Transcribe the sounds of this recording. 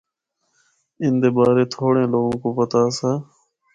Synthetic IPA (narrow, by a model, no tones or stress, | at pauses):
ɪnd̪eːbaːɾeːt̪ʰoːɽẽːloːɡõːkoːpət̪aːsaː